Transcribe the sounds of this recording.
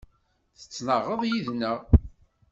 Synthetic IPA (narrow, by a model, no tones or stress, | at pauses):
θə̥t͡sːnəʁːəðˤjiðnəʁ